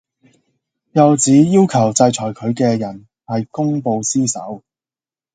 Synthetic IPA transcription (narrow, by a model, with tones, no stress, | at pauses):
jɐ˨wt͡siː˨˥jiː˥wkʰɐ˨˩wt͡sɐ˧jt͡ʃʰɔː˨˩jkʰɵ˨˧ɥkɛː˧jɐ˨˩n | hɐ˨jkʊ˥ŋpo˧wsiː˥sɐ̰˨˥w